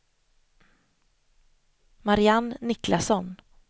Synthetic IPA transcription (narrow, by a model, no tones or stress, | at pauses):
maɾɪanːɪklasɔn